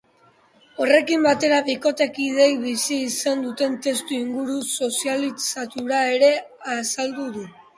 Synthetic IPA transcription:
o̞re̞kimbat̪e̞ɾaβiko̞t̪e̞kið̞e̞jβisiːsand̪ut̪e̞nt̪e̞st̪uiŋɡuɾuso̞sialisat̪uɾae̞ɾe̞asald̪uðu

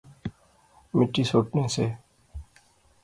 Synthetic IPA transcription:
mɪʈːisoːʈnẽːseː

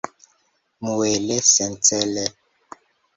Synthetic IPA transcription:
muwɛlɛsɛnt͡sɛlɛ

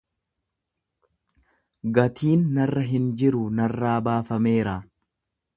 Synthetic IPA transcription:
ɡɐt̪ʰiːnːɐrːɐɦɪnd͡ʒɪɾʊnɐrːaːbaːfɐme̞ːɾaː

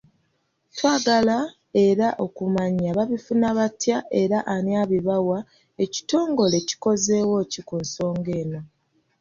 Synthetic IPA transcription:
twaːɡala | e̞ɾaʔo̞kumaɲːaβaβifunaβatjaʔe̞ɾaʔaniaːβiβawa | e̞ci̥to̞ːŋɡo̞le̞ci̥ko̞ze̞wo̞cikunso̞ːŋɡe̞ːno̞

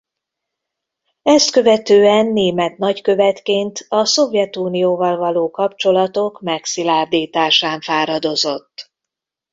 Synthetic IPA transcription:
ɛst̪kø̞vɛt̪øːɛnːeːmɛt̪nɒckø̞vɛt̪keːnt̪ɒso̞vjɛt̪uːnijoːvɒlvɒloːkɒpt͡ʃo̞lɒt̪o̞kmɛksilaːrd̪iːt̪aːʃaːɱfaːɾɒd̪o̞zo̞t̪ː

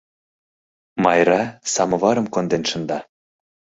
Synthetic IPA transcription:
mɑjɾɑsɑmɤ̆βɑɾɤ̆mkond̪enʃɤ̆nd̪ɑ

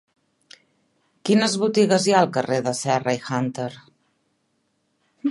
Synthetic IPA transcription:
kinəzβut̪iɣəzjaəlˠkəreðəsɛrəixant̪əɾ

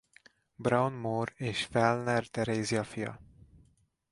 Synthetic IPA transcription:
brawnmoːreːʃfɛlnɛrt̪ɛɾeːzijɒfijɒ̰

